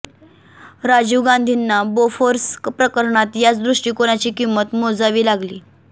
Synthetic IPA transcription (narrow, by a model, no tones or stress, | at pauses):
ɾad͡ʑuːɡãnd̪ʱinːabofoɾspɾəkəɾɳat̪jat͡sd̪ɾuʂʈiːkoɽ̃at͡ɕiːkimːət̪mod͡zaʋiːlaɡliː